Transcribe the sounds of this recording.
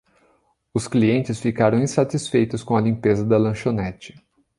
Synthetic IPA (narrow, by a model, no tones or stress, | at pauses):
ʊskliẽnt͡ʃɪsfikaɾɐ̃w̃ĩsat͡ʃisfejt̪ʊskõɐlĩpezɐd̪ɐlɐ̃ʃonɛt͡ʃɪ̥